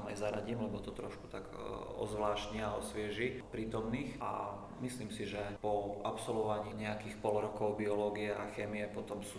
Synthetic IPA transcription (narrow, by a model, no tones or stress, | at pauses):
majzaɾaɟiːmlɛbɔt̪ɔt̪ɾɔʃku̥t̪aɡɔ̰zʋlaːʃcɲiaɔsʋɪɛʒipɾiːt̪ɔmniːxʔa̰ | misliːmsiʒɛpɔʔapsɔlʋɔʋaɲiːɲɛakiːxpɔlɾɔkɔʊbiɔlɔːɡiɛaxɛːmiɛpɔt̪ɔmsuː